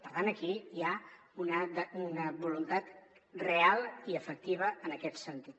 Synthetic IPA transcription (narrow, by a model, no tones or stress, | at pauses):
pəɾt̪anəkiia | unəd̪əunəβulunt̪at̪ | realˠiəfək̚t̪iβ̞əənəkɛt̪sənt̪it̪